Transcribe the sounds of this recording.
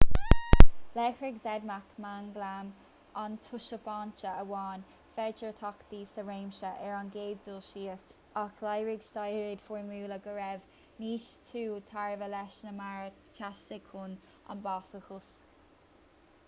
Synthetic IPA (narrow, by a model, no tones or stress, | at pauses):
lɛxɹɪɡzɛd̪makmaŋɡlam | ant̪ʰʊʃəbaːnt͡ʃəəwɑːn | fɛt͡ʃəɹt̪ʰɑkd̪iːsəɹeːmʃəʔɛɹanɡeːd̚dʊlʃiːəs | axlajɹɪɡʃtajɹɪd̪̥fɔɹmuːləɡəɹɛv | niːʃtʰuːt̪ʰaɹvəlɛʃnəmaɹə | t͡ʃʰastəkʰʊn | a̰nbaːsəxʊsk